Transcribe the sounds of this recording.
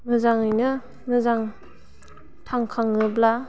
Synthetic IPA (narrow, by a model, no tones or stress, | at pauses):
mɯzaŋɯjnɯ | mɯzaŋ | tʰaŋkʰaŋɯbla